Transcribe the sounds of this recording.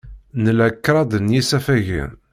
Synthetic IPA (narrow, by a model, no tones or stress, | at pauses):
nəlækːɾˤɑd̪ənjisæfæʝḭn